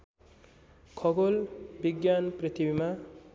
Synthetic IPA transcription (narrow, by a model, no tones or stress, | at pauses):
kʰʌɡolbiɡjanprit̪ʰibima